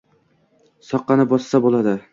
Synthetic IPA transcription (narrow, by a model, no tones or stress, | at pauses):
sɒqːɑnɪbɒsːabolˠad̪ɪ